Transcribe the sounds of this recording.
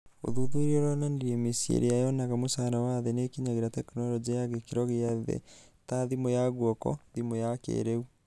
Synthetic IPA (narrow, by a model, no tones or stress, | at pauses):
o̰ðuðuiɾeɔɾɔnandiɾemisiḛɾeajɔnaɣamosaɾawaðɛneːkiɲaɣeɾatɛknɔɾɔd͡ʒiajaɣekeɾɔɣejaðḛ | taðimojaɣwɔkɔ̰ðimojakḛːɾeu